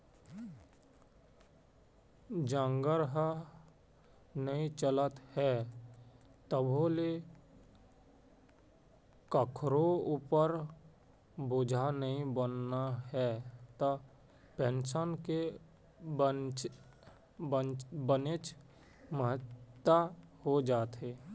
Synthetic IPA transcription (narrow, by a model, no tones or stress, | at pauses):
d͡ʒãːŋɡəɾɦə | nəĩt͡ʃələt̪hɛ | t̪əbʱole | kəkʰɾouːpəɾ | bʊd͡ʒʱanəĩbənːaɦɛt̪ə | pensənke | bənet͡ʃ | məɦət̪ːahod͡ʒaːt̪ɦeː